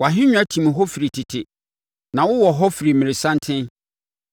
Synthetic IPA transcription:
wɔ˨a˨ɦɪ̃˦ɲᶣ˦a˦tʰĩ˨m˨ɦɔ˦fi˨ɾi˨tʰɪ˨tʰɪ˨ | nã˨wʊ˦wɔ˨ɦɔ˦fi˨ɾi˨mɪ̃˨ɾɪ˨sã˦n˦tʰɪ̃˦n

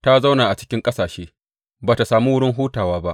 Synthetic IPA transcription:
ta˦za˦wnaː˨ʔa˨t͡ʃɪ̥˦kʲɪ˦ŋkʼɐ˦saː˨ʃeː˦ | baː˨ta˨saː˨muː˦wʊ˦ɽɪ˦ŋɦuː˦taː˨waː˦ba˦ʔ

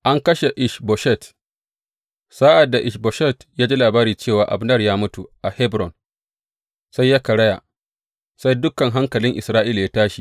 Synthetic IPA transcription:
ʔa˦ŋkɐ˦ʃe˨ʔɪ˦ʃbɔ˨ʃɛ˦˨t | sa˦ʔa˨dːa˨ʔɪ˨ʃbɔ˨ʃɛ˦˨tjaː˦d͡ʒi˦laː˨baː˦ɾiː˨t͡ʃeː˦˨waː˨ʔa̰˨bnɐ˦˨rjaː˦mʊ˦tu˨ʔa˨hɛ˦bɾɔ˨n | sa˦jːa˦kɐ˨ɽɐ˦ja̰˨ | sa˦jdʊ˦kɐ˨ŋɦa˦ŋkɐ˨lɪ˦ŋʔɪ˨sɾaː˦ʔiː˦lja˦taː˦ʃi˨

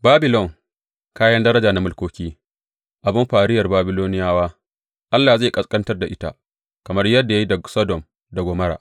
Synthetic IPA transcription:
baː˦bɪ˨lɔ˦˨ŋ | kaː˦jɐ˦ndɐ˦ɾɐ˦d͡ʒaː˨na˦mʊ˦lkʷoː˦kʲiː˦ | ʔa˨bɪ˦mɸaː˨ɾɪ˦jɐ˨rbaː˦bɪ˦loː˦nɪ˦jaː˦waː˦ | ʔa˦lːaː˨zeː˦˨kʼɐ˦skʼɐ˦ntɐ˦rda˨ʔɪ˦ta̰˦ | kɐ˨mɐ˦rjɐ˦dːa˨ja˦ji˦dɐ˨sɐ˦dɔ˨m | da˨ɡʷɔ˨mɐ˦ɾa̰ː˨ʔ

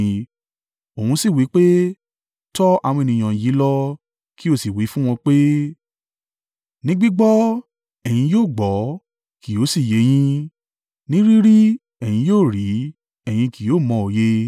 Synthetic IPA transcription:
o˨hũ˧si˦˨wi˨˦k͡pe˦ | tɔ˦a̰˧w̃ɔ̃˧e˨nĩ˨j̃ã˨ji˨˦lɔ˦ | ki˦o˦˨si˨wi˨˦fũ˦w̃ɔ̃˧k͡pe˦ | nĩ˦ɡ͡bi˦ɡ͡bɔ˦ | ɛ˨j̃ĩ˧joː˦˨ɡ͡bɔ˨˦ | ki˨jo˨˦si˦˨je˨˦j̃ĩ˦ | nĩ˦ɾi˦ɾi˦ | ɛ˨j̃ĩ˧joː˦˨ɾi˨˦ | ɛ˦˨j̃ĩ˧ki˨joː˨˦˨mɔ̃˧˨o˨je˧

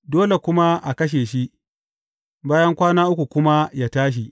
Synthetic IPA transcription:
doː˦le˨kʷʊ˦ma˦ʔa̰˨kɐ˦ʃ̬eː˨ʃi˦ | baː˦jɐ˦ŋkʷaː˦naː˦ʔʊ˦kʷu˨kʷʊ˦ma˦jaː˦taː˦ʃ̬i˨

